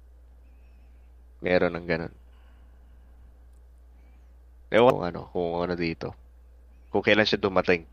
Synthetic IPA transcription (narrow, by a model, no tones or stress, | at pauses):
mʔɛːɾo̞nɐŋɡɐno̞̰n | ʔɛ̰wɐŋʔɐ̰no̞̰hʊŋonɐd̪iːt̪o̞̰ | kʊŋkɐjlanʃad̪ʊmɐt̪ɪŋ